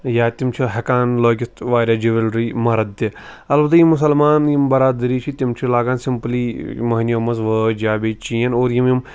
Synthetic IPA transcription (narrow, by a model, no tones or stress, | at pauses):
jaːt̪imt͡ʃʰiɦɐkaːnloːkit̪ʋaːɾʲaːd͡ʒiʋilɾimɐɾɐd̪t̪ːi | ɐlbɐt̪ɐjimus̬ɐlmaːnjimbɐɾaːd̪ɐɾiːt͡ʃʰit̪imt͡ʃʰilaːɡaːnsimpliːmɐɦnɐmɐzʋəd͡ʒaːbeːt͡ʃiːɐnoːɾjimjim